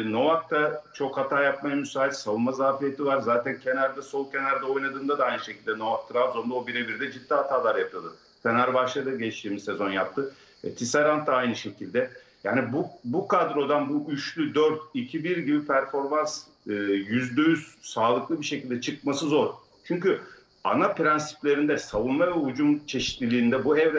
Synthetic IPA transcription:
no̞vak̚t̪ʰat͡ʃʰo̞khat̪ʰaːjapmajamysaːilsavunmazaːfijet̪ʰivaɾzaːt̪ʰæncʰe̞næɾd̪ɛso̞lˠce̞næɾd̪ɛo̞jlˠad̪ɯːmd̪ad̪aajnɯʃecʰilʲd̪ɛno̞vak̚t̪ʰɯɾavzo̞nd̪aobiɾebiɾd̪ɛd͡ʒid̪ːiɦat̪ʰaːlˠaːɾjapʰɯlˠad̪ɯ | fenæɾbaʃlˠad̪ɯɟɛt͡ʃt̪ʰiːmizsezo̞njap̚t̪ʰɯ | ɛ̰t̪ʰisaɾant̪ːaajnɯʃe̞cʰilʲd̪ɛ | jaːnibubukʰad̪ɾo̞d̪anbuʔyʃlʲyd̪øɾt̪̚icʰibiɾɟibipʰæɾfo̞ɾmans | ɯːjyzd̪øjyz̥saːlˠɯklˠɯbiʃe̞cʰilʲd̪ɛt͡ʃʰɯk̚masɯzo̞ɾ̥ | t͡ʃʰyɲcy | a̰napɾɛnsi̥plʲe̞ɾind̪ɛsavunmavɛud͡ʒumt͡ʃʰe̞ʃi̥t̪lʲilʲiːnd̪ɛbuɛvɾɛ

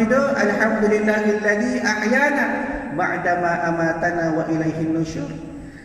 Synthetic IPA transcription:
ɪd̪oʔɐlħamd̪ʊlɪlːaːhɪlːaðiːʔaħjaːnabaʕd̪amaːʔamaːt̪anaːwaʔɪlajɦɪnːʊʃʊɾ

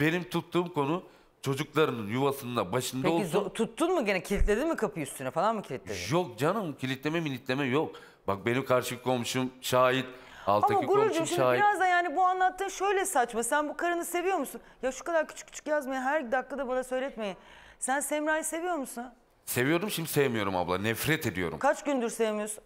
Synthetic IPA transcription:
b̥e̞nimt̪ʰut̪ːuːmko̞nu | t͡ʃʰo̞d͡ʒuklˠaɾɯnɯnjuvasɯnd̪abaʃɯndp̪aozot̪ʰut̪ːunmɯɟenɛcʰilʲit̪lʲe̞d̪inmikʰapʰɯyst̪ʰynɛfalˠanmucʰilʲit̪lʲejok̚d͡ʒanɯmcʰilʲit̪lʲemɛmilʲit̪lʲe̞mɛjo̞k̚ | bak̚be̞nimkʰaɾʃɯkʰolˠmuʃumʃaːjit̪ | a̰lˠtaamaɡuɾuɾd͡ʒumʃʃimadiɾazd̪ajaːnibuanlˠat̪ːɯːnʃø̞jlʲɛsat͡ʃmasænbukʰaɾɯnɯse̞vijo̞ɾmusunjaʃu̥kad̪aɾcʰyt͡ʃʰy̥cʰːy̥t͡ʃʰy̥cjazmajaɦæɾd̪aklːˠad̪abanasø̞jlʲɛt̪me̞jin | sænsɛmɾaːjse̞vijo̞ɾmusun | se̞vijo̞ɾd̪umʃimd̪isevemijo̞ɾuma̰blˠa̰nɛfɾɛt̪ʰe̞d̪ijo̞̰ɾṵmkʰat͡ʃɟynd̪yɾsevemijoɾsun

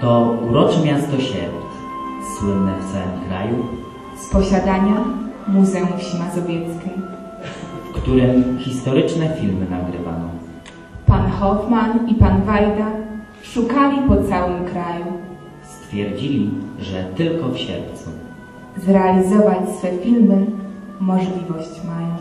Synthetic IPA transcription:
t̪ɔuɾɔt͡ʂɛmʲjast̪ɔɕɛ̰ɾt̪ | swɘnːɛft̪sawɘmmkɾa̰ju | spɔɕad̪aɲamuzɛũfɕimazɔvʲjɛt̪skʲɛj | fkt̪uɾɘmxʲist̪ɔɾɘt͡ʂnɛfʲilmɘnaɡɾɘva̰nɔ̰ | panxɔfmanipanvajd̪a | ʂukalʲipɔt̪sawɘmkɾaju | st̪fʲjɛɾd͡ʑilʲiʐɛt̪ɘlkɔfɕɛ̰ɾp̚t̪sṵ | zɾɛalʲizɔvat͡ɕsfɛfʲilmɘmɔʐlʲivɔɕt͡ɕmajɔ̃

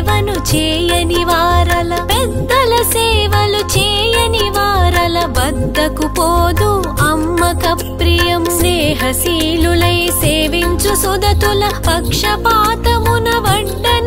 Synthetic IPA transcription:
ʋɐnut͡ʃɛːjɐniʋaːɾɐlɐpɛd̪ːɐlɐsɛːʋɐlut͡ʃɛːjɐniʋaːɾɐlɐbɐd̪ːɐkupoːd̪u | ɐmːɐkɐpɾijɐmleːɦɐsiːlulɐjseːʋiɲt͡ʃusud̪ɐt̪ulɐpɐkʂɐpaːt̪ɐmunɐʋɐɳɖɐn

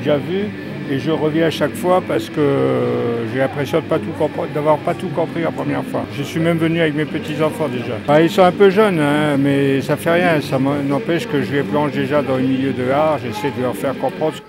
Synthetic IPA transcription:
ʒavy | eʒəʁəvjɛ̃aʃakfwapaʁsə̥kə | ʒəlɛ̃pχesjɔ̃d̪əpat̪ukɔ̃pd̪avwaʁpat̪ukɔ̃pχiapχəmjɛʁfwaʒəsɥimɛmvənyavɛkmepət̪izɑ̃fɑ̃d̪eʒabailsɔ̃ɛ̃pøʒœnɛ̃mɛsafɛʁjɛ̃samnɑ̃pɛʃkəʒəleplɑ̃ʃd̪eʒad̪ɑ̃zəmiljød̪əaʁʒesɛjd̪ələʁfɛʁkɔ̃pχɑ̃d̪ʁə

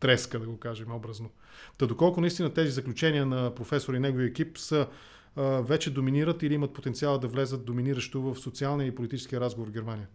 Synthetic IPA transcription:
t̪ɾɛskəd̪ɐɡokaʒɛmɛɔbɾəzno | t̪ɐd̪okɔlˠkʊnɐist̪inət̪ɛzizəklʲut͡ʃɛniənɐpɾofɛsoɾɐinɛɡoviəɛkipsə | vɛt͡ʃɛd̪ominiɾət̪iliimɐt̪̚pot̪ɛntsialˠəd̪ɐvlɛzət̪̚d̪ominiɾəʃt̪ovəfsot̪sialˠnijəipolit̪it͡ʃɛ̥skijəɾazɡovoɾvɡʲɛɾmanijə

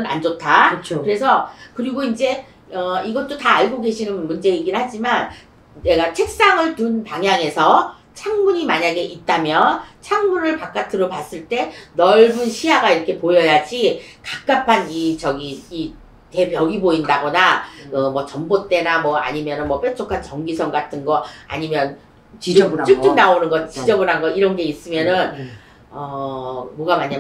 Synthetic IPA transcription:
ɯna̰nd͡ʑotʰat͡ɕʰokɯɾe̞sʰʌkɯɾiɡoind͡ʑe̞ | ʌiɡʌt͈otaːɭɡoɡe̞ɕʰinɯnmund͡ʑe̞iɡinhad͡ʑiman | ne̞ɡat͡ɕʰe̞k̚s͈aŋɯɭtunpaŋɦjaŋe̞sʰʌ | t͡ɕʰaŋmuɲimaɲaɡe̞ʔit̚t͈amjʌt͡ɕʰaŋmunɯɭpak͈atʰɯɾopas͈ɯɭt͈e̞nʌɭbunɕʰiɦaɡaiɾʌkʰe̞pojʌjad͡ʑikak̚k͈apʰanit͡ɕʌɡiː | te̞bjʌɡiboindaɡʌnakɯmʌt͡ɕʌmbot͈e̞namwʌa̰ɲimjʌnɯnmwʌp͈jʌt͡ɕʰokʰant͡ɕʌŋɡisʰʌŋɡatʰɯnɡʌa̰ɲimjʌn | t͡ɕ͈ɯk͈ɯk̚naonɯnɡʌtt͡ɕid͡ʑʌbɯɾɦanɡʌiɾʌnɡe̞is͈ɯmjʌnɯn | ʌmʌɡamaɲa

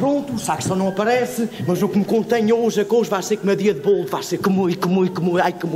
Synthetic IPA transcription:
pɾõnt̪usakʃt̪ɐ̃w̃nɐ̃w̃ɐpɐɾɛsɨmɐzukmɨkõnt̪eɲoʒɐkoʒvajseɾkumɐðiɐðɨβolˠvajseɾkɨmukɨmukumuajkɨm

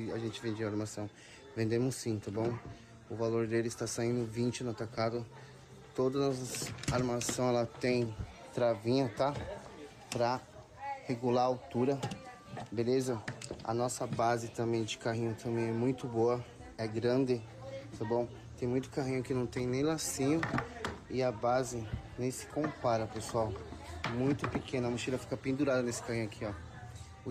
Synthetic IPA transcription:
ɪaʒẽnt͡ʃɪvẽnd͡ʒ̪eɐaɾmasɐ̃w̃ | vẽnd̪ẽmʊsːĩt̪ɐ̃bõw̃ | ʊvaloɾd̪elɪɪst̪asaĩnd̪ʊvĩnt͡ʃɪnʊat̪akad̪ʊ | t̪od̪ɐnɔsɐsaɾmasɐ̃w̃ɛlɐt̪ẽj̃ | t̪ɾavĩɲɐt̪a | pɾɐ | heɡulaawt̪uɾɐ | belezɐɐ̰nɔsɐbazɪt̪ɐ̃mbẽj̃d͡ʒɪkaɦĩɲʊt̪ʰɐ̃mbẽj̃ɛmũj̃t̪ʊboɐ | ɛɡɾɐ̃nd̪ɪ | t̪ɐ̃bõw̃ | t̪ẽj̃mũj̃t̪ʊ̥kaɦĩɲʊkɪnɐ̃w̃t̪ẽj̃nẽj̃lasĩɲʊɪɐbazɪnẽj̃sɪ̥kõpaɾɐpesuawmũj̃t̪ʊpɪkʰẽnɐmuʃilɐfi̥kɐpĩnd̪uɾad̪ɐnesɪ̥kahĩɲʊakʰiɔ

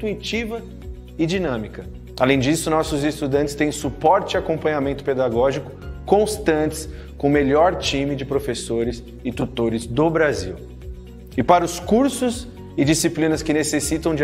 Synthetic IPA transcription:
t̪uit͡ʃivɐ | ɪd͡ʒinɐ̃mikɐ | alẽj̃d͡ʒisʊnɔsʊzɪst̪ud̪ɐ̃nt͡ʃɪst̪ẽj̃supɔɾt͡ʃɪakõmpɐ̃ɲamẽnt̪ʊ̥ped̪aɡɔʒikʊ̥kõst̪ɐ̃nt͡ʃ̪ɪ̥s | kõmeʎɔɾt͡ʃĩmɪd͡ʒɪpɾofesoɾɪs | ɪt̪ut̪oɾɪzd̪ʊbɾazḭw | ɪpaɾɐʊskuɾsʊz | ɪd͡ʒisiplĩnɐskɪnesesit̪ɐ̃w̃d͡ʒ

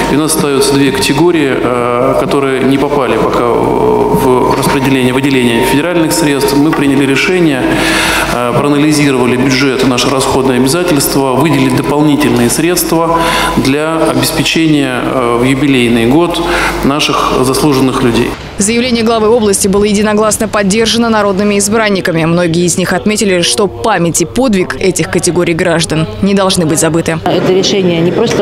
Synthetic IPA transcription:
ɪʊnasːə̥st̪ɐjut̪səd̪vʲekə̥tʲɪɡo̞ɾʲɪɪ | kɐt̪o̞ɾɨjənʲɪpɐpalʲɪpɐka̰ | vrəspɾʲɪdʲɪlʲenʲɪjəvədʲɪlʲenʲɪjəfʲɪdʲɪɾalʲnɨxsɾʲe̞t̪st̪fmɨpɾʲinʲɪlʲɪɾʲɪʂɛnʲɪjə | pɾəːnəlʲɪzʲiɾəvəlʲɪbʲʊdʐɛt̪ɨnaʂɨɾɐsxo̞d̪nəjəɐbʲɪzatʲɪlʲst̪vəvɨdʲɪlʲɪt̚ʲd̪əpɐlˠnʲitʲɪlʲnɨjəsɾʲe̞t̪st̪və | d̪lʲaɐbʲɪspʲɪt͡ɕenʲɪjə | vjʊbʲɪlʲejnɨjɡo̞t̪naʂɨxzɐslˠuʐɨnːɨxlʲʉdʲḛj | zəjɪvlʲenʲɪjəɡlˠɐvɨo̞blˠəsʲtʲɪbɨlˠəjɪdʲɪnɐɡlˠasnəpɐdʲːe̞rʐənənɐɾo̞d̪nɨmʲɪɪzbɾanʲːɪkəmʲɪmno̞ɡʲɪjəɪzʲnʲixɐt̪mʲetʲɪlʲɪʂt̪o̞pamʲɪtʲɪpo̞d̪vʲɪkɛtʲɪxkətʲɪɡo̞ɾʲɪjɡɾaʐd̪ənnʲɪd̪ɐlˠʐnɨbɨtʲzɐbɨt̪ɨɛt̪əɾʲɪʂɛnʲɪjənʲɪpɾost̪ə

